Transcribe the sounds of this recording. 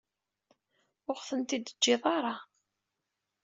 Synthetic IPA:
ʊʁθənt̪id̪ə̥d͡ʒːɪðˤɑɾˤɑ

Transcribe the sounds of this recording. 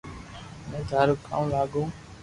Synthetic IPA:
mẽːd̪ʱəɾkʰã̰ːlaːɡũː

